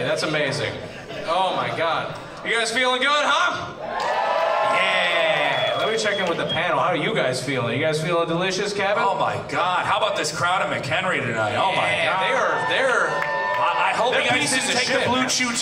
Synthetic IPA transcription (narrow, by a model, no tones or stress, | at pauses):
ðætsəmeɪzɪ̰̃ŋ | oʊmaɪɡɑd̥̚ | jɨɡaɪz̥filˠɪ̃ŋɡʊd̥̚ɦʌ | jæ | lət̚wbit͡ʃʰɛkɪ̃ŋwɨðɨpʰænl̩ˠhaʊɨjɨɡaɪz̥filˠɪ̃ŋjɨɡaɪz̥filˠədəlɪʃɨskʰæboʊma̰ɪɡɑd̥̚haʊəbaʊt̪̚ðɪskʰɹ̥aʊɾɨ̃mɨkhɛ̃nɹiɾɨɾa̰ɪoʊaɪðəðə˞ | ʔaɪɦɛd̚ə˞pisɨz̥tʰeɪk̚ðəblu̥ʃʉt